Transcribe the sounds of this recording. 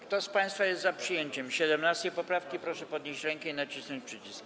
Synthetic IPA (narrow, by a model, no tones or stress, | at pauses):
kt̪ɔspaj̃st̪fajɛst̪zapʂɘjeɲt͡ɕɛmɕɛd̪ɛmnast̪ʲɛjpɔpɾafkʲipɾɔʂɛpɔd̪ɲeɕt͡ɕɾɛŋkɛinat͡ɕisnɔɲt͡ɕʲpʂɛt͡ɕisk